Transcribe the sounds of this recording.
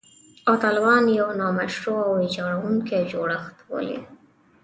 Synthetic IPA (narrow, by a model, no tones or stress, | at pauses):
ɑt̪ɑlawɑnjawnɑmaʃɾoawɪd͡ʒɑɽawuŋked͡ʒoɽəxt̪wə̰lḭ